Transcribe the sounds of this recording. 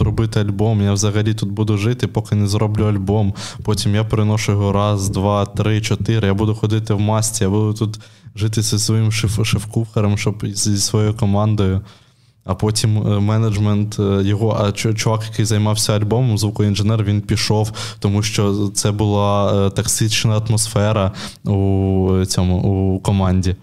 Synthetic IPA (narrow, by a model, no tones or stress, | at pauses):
rɔbɪt̪ɪɐlʲbɔmjawzɐɣɐlʲit̪ud̪̚bud̪ʊʒɪt̪ɪpɔkɪnezɾɔblʲuɐlʲbɔmpɔtʲimjapɾɪnɔʃʊjɔɦɔɾɑzd̪ʋɑt̪ɾɪt͡ʃɔt̪ɪɾɪjabud̪ʊxɔd̪ɪt̪ɪwmɑsʲtʲijabud̪ʊt̪ut̪ʒɪt̪̬ɪsʲisʋɔjimʃefkuxɐɾɐmʃt͡ʃɔbzizsʋɔjɔjʊkɔmɑnd̪ɔjʊ | ɐpɔtʲimmɛnɐd͡ʒment̪jɔɦɔʔɐt͡ʃt͡ʃʊʋɑkjɐkɪjzɐjmɑwsʲɐɐlʲbɔmɔmzʋukɔinʒenɛrʋʲinpʲiʃɔwt̪ɔmuʃt͡ʃɔt̪sɛbʊlˠɑt̪ɐksit͡ʃnɐɐt̪mɔsfɛɾɐut͡sʲɔmʊukɔmɑnʲdʲi